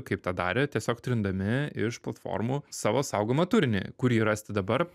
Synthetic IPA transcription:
kɐɪpt̪ɑːd̪ɑ̰ːɾʲɛt̪ʲiɛsʲoːkt̪ʲɾʲɪnd̪ɐmʲɪɪʃplˠɐt̪fo̰ːɾmuːsɑːʋoːsɑʊɡoːmɐt̪ʊɾʲnʲḛkʊɾʲiːɾɐsʲt̪ʲɪd̪ɐbɐɾ

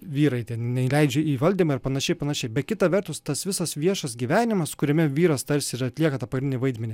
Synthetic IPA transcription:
ʋʲiːɾɐɪt̪ʲɛnnʲɛɪlʲɛɪd͡ʒʲʊiːʋɐlʲd̪ʲiːmɐɪɾpɐnɐʃʲɛɪpɐnɐʃʲɛɪbʲɛt̪̚kʲɪt̪ɐʋʲɛɾt̪ʊst̪ɐsʋʲɪsɐsʋʲiɛʃɐsɡʲiːʋʲæːnʲɪmɐskʊɾʲɛmʲɛʋʲiːɾɐst̪ɐɾʲsʲɪɪɾɐt̪ʲlʲiɛkɐt̪ɑpɐɡɾʲɪnʲɪnʲɪʋɐɪd̪ʲmʲɛnʲɪ

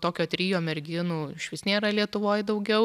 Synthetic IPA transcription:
t̪oːkʲoːt̪ʲɾʲiːjoːmʲɛɾʲɡʲɪːnuːɪʃʋʲɪsʲnʲeːɾɐlʲiɛt̪ʊʋoːjd̪ɐʊɡʲɛʊ

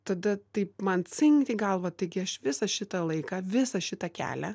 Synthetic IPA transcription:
t̪ɐd̪ɐt̪ɐɪpmɐnt͡sʲɪŋʲkt̪ʲɪɡɐlˠʋɐt̪ɐɪɡʲɪɐʃʋʲɪsɐʃʲɪt̪ɐlˠɐɪkɐʋʲɪsɐʃʲɪt̪ɐkʲæ̰ːlʲɛ

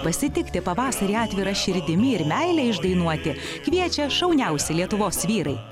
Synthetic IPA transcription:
pɐsʲɪt̪ʲɪkt̪ʲɪpɐʋɑːsɐɾʲiːɑːt̪ʲʋʲɪɾɐʃʲɪɾʲd̪ʲɪmʲɪɪɾmʲæɪlʲɛɪʒd̪ɐɪnuɔt̪ʲɪ | kʋʲiɛt͡ʃʲɛʃɐʊnʲɛʊsʲɪlʲiɛt̪ʊʋoːsʋʲiːɾɐɪ

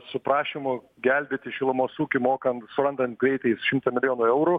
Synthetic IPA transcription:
sʊpɾɑːʃʲɪmʊ | ɡʲɛlʲbʲeːt̪ʲɪʃʲɪlˠɐmoːsuːkʲɪmoːkɐnt̪sʊɾɐnd̪ɐnt̪̚ɡɾʲɛɪt̪ɐɪsʃʲɪmt̪ɐmʲɪlʲɪjoːnʊɛʊɾu

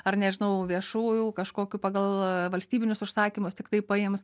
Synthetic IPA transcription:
ɐrnʲɛʒʲɪnɐʊʋʲiɛʃuːjuːkɐʃkoːkʲuːpɑːɡɐlˠʋɐlʲsʲt̪ʲiːbʲɪnʲʊsʊʃsɑːkʲimʊst̪ʲɪkt̪ɐɪpɐɪms

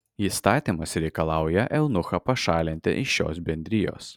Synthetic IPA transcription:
ist̪ɑːt̪ʲimɐsɾʲɛɪkɐlˠɑˑʊjɛʔɛlˠnʊxɐpɐʃɑːlʲɪnʲt̪ʲɪ̰ʔɪʃʃo̰ːsbʲɛnʲd̪ʲɾʲɪjo̰ːs

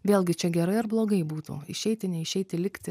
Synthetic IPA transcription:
ʋʲeːlˠʲɡʲɪt͡ʃʲɛɡʲɛɾɐɪɐɾblˠoːɡɐɪbuːt̪ṵːɪ̰ʃʲɛɪt̪ʲɪnʲɛɪʃʲɛɪt̪ʲɪlʲɪkt̪ʲɪ

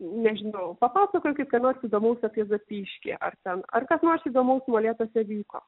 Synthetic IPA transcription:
nʲɛʒʲɪnɐʊpɐpɑːsɐkoːjʊkʲɪt̪kɐɪnoːrʲsʲiːd̪oːmɐʊsʲɐpʲiɛzɐpʲiːʃʲkʲɪ̰ʔɐ̰rt̪ʲɛnɐ̰rkɐsnoːrʲsʲiːd̪oːmɐʊsʲmolʲeːt̪oːsʲɛʋʲiːko̰ː

